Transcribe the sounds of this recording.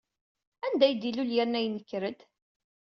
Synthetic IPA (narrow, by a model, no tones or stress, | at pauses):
ænd̪æjd̪iluljæɾnæjnːəkːɾəd̪